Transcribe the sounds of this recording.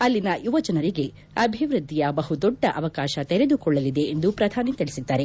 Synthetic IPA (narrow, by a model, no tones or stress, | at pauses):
ɐlːinɐjuʋɐt͡ʃɐnɐɾiɡe̞ | ɐbʱiʋɾud̪ːijɐbɐɦud̪ɔɖːɐʔɐʋɐkaːʃɐt̪e̞ɾe̞d̪ukɔɭːɐlid̪e̞end̪upɾɐd̪ʱaːnit̪eɭisid̪ːaːɾe̞